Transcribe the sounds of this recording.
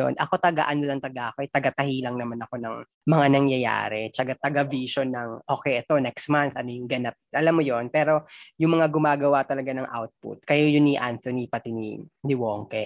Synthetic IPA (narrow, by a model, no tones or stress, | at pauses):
o̰nʔɐ̰ko̞t̪ɐɡa̰ʔɐnolɐŋt̪ɐɡaʔɐkoʔɛjt̪ɐɡɐt̪ɐhilɐŋnɐmanɐko̞nɐŋ | mɐŋanɐŋjɐja̰ːɾɛt͡ʃɐɡat̪ɐɡaviʃonːɐŋʔoːkɛjʔɛt̪o̞nɛkst̪̚manθʔɐnojʊŋɡɐnap̚ʔɐlamːojo̞npɛːɾo̞jʊŋmɐŋaɡʊmaːɡɐwat̪ɐlɐɡanɐŋʔa̰wt̪̚pʊ̰t̪̚kɐjojʊnːiʔant̪onipɐt̪inḭnɪwoŋkɛ